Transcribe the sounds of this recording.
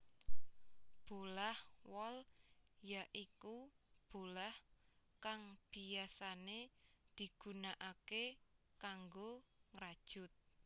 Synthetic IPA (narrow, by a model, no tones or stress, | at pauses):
b̥olahwɔljaʔikub̥olahkaŋb̥iasaned̪̥i̤ɡ̥ṳnaʔake | kaŋɡoŋɾad̥ʒ̥ʊ̤t̪̚